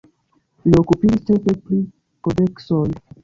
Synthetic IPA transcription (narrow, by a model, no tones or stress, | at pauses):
liokupid͡ʒistepepli | kodeksoj